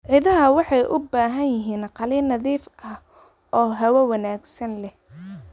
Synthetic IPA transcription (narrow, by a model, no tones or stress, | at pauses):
ʕɪðɐɦɐwɑħɑjʔʊbaːɦɐnjɪɦiːnqɑliːnːɐðiːfʔɐh | ɔːɦɐwɐwɑnaːɡsɐnlɛh